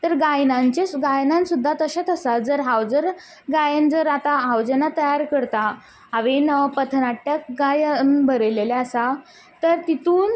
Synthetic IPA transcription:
t̪əɾɡajnãɲt͡ɕesɡajnãnsud̪ʱːat̪əɕat̪əsad͡zəɾɦawd͡zəɾ | ɡajənd͡zəɾat̪aɦawd͡ʑenat̪əjaɾkəɾt̪a | ɦaʋenpət̪ʰnaʈːjak̚ɡajnbʱəɾelelaəsa | t̪əɾt̪it̪uːn

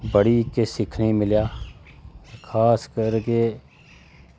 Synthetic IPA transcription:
bəɽikesɪkʰnemɪljaː | kʰaːskəɾke

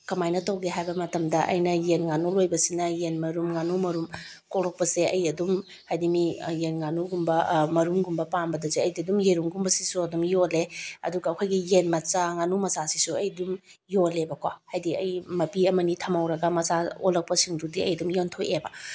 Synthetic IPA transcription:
kɐmajnɐtɐwɡeɦajbɐmɐtɐmdɐʔɐ̰jnɐjenŋanulojbɐsinɐjenmɐɾumŋanumɐɾum | kolok̚pɐseʔɐjɐdum | hajdimijenŋanuɡumbɐmɐɾumɡumbɐpambɐdɐzeɐjdidumjeɾuŋɡumbɐsi̥suɐdumjoleɐ̰duɡɐːwkʰojɡijenmɐt͡ʃaŋanumɐsasi̥suɐjdum | jolebɐkwahajdiɐjmɐpiɐmɐnitʰɐmɐwɾɐɡɐmɐsao̰lɐk̚pɐsiŋdudiɐ̰jɐdumjontʰojebɐ

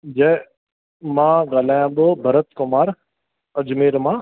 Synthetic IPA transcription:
d͡ʒe | mãːɡaːlaːjãːbəbʱɐɾət̪kʊmaːɾ | ɐd͡ʒmeːɾmãː

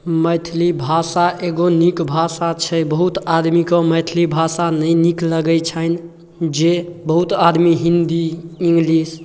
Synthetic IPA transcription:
məjt̪ʰlibʱasaʔeɡonikbʱasat͡ʃʰɛbəɦut̪ad̪mikɔ̃məjt̪ʰlibʱasanəjnikləɡɛt͡ʃʰən | d͡ʒebəɦut̪ad̪miɦind̪iĩŋɡlis

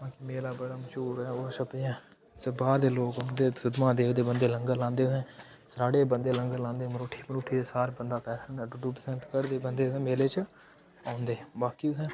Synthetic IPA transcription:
ãːkimeːlaːbəɽaːməʃuːɾɛːoːʃəpɪjãː | səbaːɾd̪eːloːkəd̪eːsʊd̪mãːd̪eːkʰd̪eːbənd̪eːləŋɡəlãːnd̪eːsẽː | sɾaːɽeːbənd̪eːləŋɡəlãːnd̪eːmɾoːʈʰːiːmɾoːʈʰːiːesaːɾbənd̪aːpɛːsə̃nd̪aːɖʊɖuːpəsənt̪kəɾd̪eːbənd̪eːsẽːmeːleːt͡ʃ | ãːʊnd̪ẽːbaːkiːsɛ̃ː

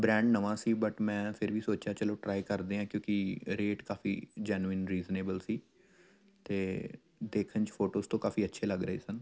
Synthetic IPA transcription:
bɾɛ̃ːɳɖnəʋãːsiːbəʈmɛ̃ːpʰɪɾʋiːsoːt͡ʃaːt͡ʃəlõːʈɾaːikəɾd̪eːãːkjõːkɪɾeːʈkaːfḭːd͡ʒɛːnuɪnɾiːzneːbəlsiː | t̪eː | d̪eːkʰənt͡ʃpʰoːʈoːzt̪õːkaːfiːətːʃʰeːləɡɾəḛːsən

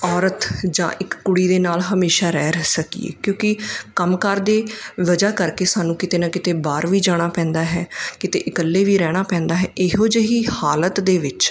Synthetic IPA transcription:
ɔːɾət̪d͡ʒã̰ːʔɪkːʊɽiːd̪eːnaːlɦəmeːʃaːɾɛːɾɛsəkḭːḛːkjõːkɪkəmkaːɾd̪eːʋəd͡ʒaːkəɾkeːsaːnũːkɪt̪eːnãːkɪt̪eːbaːɾʋiːd͡ʒaːɽ̃aːpɛ̃ːnd̪aːɦɛ̰ːkɪt̪ḛːʔɪkəlːeːʋiːɾɛːɽ̃aːpɛ̃ːnd̪aːɦɛːʔɪɦoːd͡ʒəɦiːhaːlət̪d̪eːʋɪt͡ʃ

